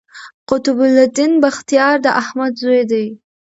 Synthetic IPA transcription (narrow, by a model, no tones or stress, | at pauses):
qʊt̪ʊbʊlad̪inbaxt̪ijɑɾd̪əʔahmad̪zoed̪aj